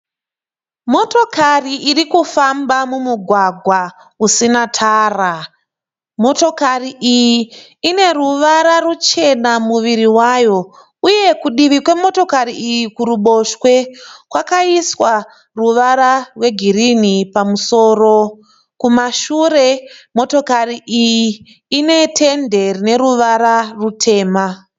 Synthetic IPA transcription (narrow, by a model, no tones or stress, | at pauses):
mo̞to̞kariʔirikufambamumuɡʱwaɡʱwa | usinatʰaːra | mo̞to̞kariʔijiː | ne̞ruʋaɾarut͡ʃe̞namuʋiɾiwajo̞ | uje̞kuɗiʋikwe̞mo̞to̞kaɾiʔijikuɾuɓo̞ʃwe̞kwakaiswa | ruʋaɾarwe̞ɡʱirinipamuso̞ːro̞ | kumaʃuɾe̞mo̞to̞kariʔijiː | ne̞tʰe̞nde̞rine̞ɾuʋaɾarutʰe̞ːma